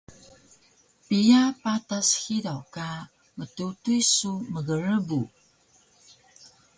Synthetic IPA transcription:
pijapatashidawka | mətutujsuməɡəɾəbu

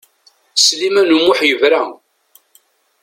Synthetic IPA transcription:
slimænumʊħjəvɾæ

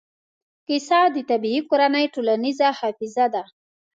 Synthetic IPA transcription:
kɪsɑd̪ət̪abiikoɾanəjʈolanizahɑfɪzad̪a

